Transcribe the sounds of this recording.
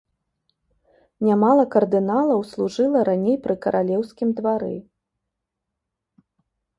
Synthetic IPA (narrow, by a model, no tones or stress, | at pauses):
nʲamalˠɐkɐrd̪ɨnalˠɐwslˠuʐɨlˠɐɾanʲejpɾɨkɐɾʔalʲɛwsʲkʲimd̪vaɾɨ̰